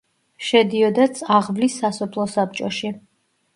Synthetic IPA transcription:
ʃɛd̪iɔd̪at̪sʰʼaʁvlisːasɔpʰlˠɔsap̚t͡ʃʼɔʃi

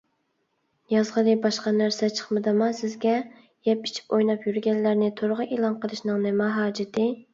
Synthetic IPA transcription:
jɑzʁəd̪ɨbɑʃqɑnæɾsɛt͡ʃʰə̥χmɨd̪ɨmɑsɪzɡʲɛ | jɛpi̥t͡ʃʰi̥pojnɑpjyɾɡʲɛnlæɾnɪt̪ʰoɾʊʁəʔeːlˠɑnqəlˠɨʃnɨŋnɪmɛɦɑːd͡ʒɪt̪ʰɪ

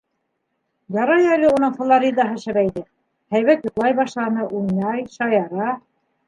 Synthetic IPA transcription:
jɑɾɑjælɘunɤɴf̆lˠoɾʲid̪ɑɦɤʃɘ̆βæjðɘ | hæjβæt̪jŏt̪lˠɑjbɑʃlˠɑnɤʔujnɑjʃɑjɑɾɑ

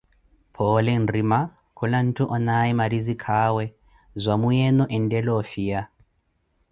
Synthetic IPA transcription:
pʰɔlɛn̩rima | kʰulan̩tʰuʔɔnaimaɾizikʰaːwɛ | zʷamujɛnɔʔɛndɛlɔfija

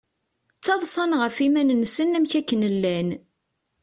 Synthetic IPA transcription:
t͡sːɑðˤsˤɑnʁəfimænnsənæmçækːənəlːæn

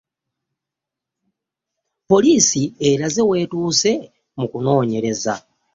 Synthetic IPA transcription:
po̞liːsieɾaze̞we̞ːtuːse̞ | mukuno̞ːɲe̞ɾe̞za̰

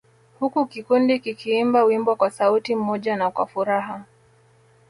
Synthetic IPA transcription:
hukukikundikikʰiimbawimbwakwasautim̩mɔʄanakwa̰fuɾaɦa

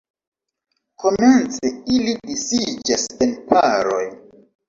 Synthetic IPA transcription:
kʰo̞ment͡seilidisid͡ʒasenpʰaɾo̰j

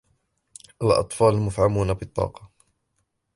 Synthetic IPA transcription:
ʔalʔɑ̰t̪ˤfɑːlmʊfʕamuːnabɪt̪ˤːɑ̰ːqɑ̥

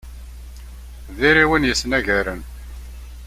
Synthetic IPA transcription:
ðiɾiwənjəsːnæʝæɾən

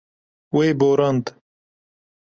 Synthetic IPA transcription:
weːboːɾɐnt̪

